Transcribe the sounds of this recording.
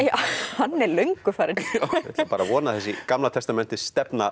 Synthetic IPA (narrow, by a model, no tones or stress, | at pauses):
ahanːɛɾlœɥŋkʏfaːɾɪnɛt̪paːɾavɔːnaθɛsːɪkamlat̪ʰɛst̪amɛn̥t̪ɪst̪ɛpna